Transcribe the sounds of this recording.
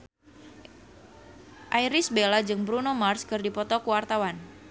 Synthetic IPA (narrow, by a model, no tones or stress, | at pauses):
ʔajɾɪsbelad͡ʒɨŋbɾunomarskɨrdipɔt̪ɔkuwart̪awan